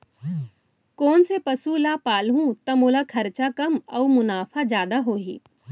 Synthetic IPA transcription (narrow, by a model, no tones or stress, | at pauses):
kɔːnsepɐsulaːpaːlɦũt̪ɐmoːlakʰɐɾt͡ʃakɐmɐumʊnaːfad͡ʒjaːd̪aɦoːɦḭː